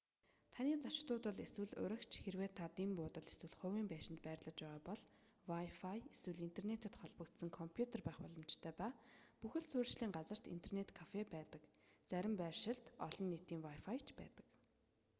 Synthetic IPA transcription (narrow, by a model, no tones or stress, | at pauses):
t̪ʰaniːt͡saʃ̆t̪ʊːt̪ə̆ɮeswɘ̆ɮʊ̰ɾə̆kt͡ɕʰxerweːt̪ʰːat̪impʊːt̪ə̆ɮeswɘ̆ɮχʊwiːmpæːʃɪ̆nt̪̚pæːrɮə̆t͡ɕpæːʁaːpɔɮ | wajfajeswɘ̆ɮint̪ʰernet̪ə̆t̪χɔɮpə̆kt̪sə̆ŋkʰɔmpʰjut̪ʰerpæːχpɔɮɞ̆mt͡ɕt̪ʰœːpaːpuxɘ̆ɮsʊːrt͡ɕɮiːŋɢat͡sə̆r̥t̪ḭn̥t̪ʰernet̪kʰafepæːt̪ə̆kt͡sæɾʲɪ̆mpæːrʃɪ̆ɬt̪ɔɮɞ̆nːet̪iːŋwajfajt͡ɕʰpæ̰ːt̪ə̥̆k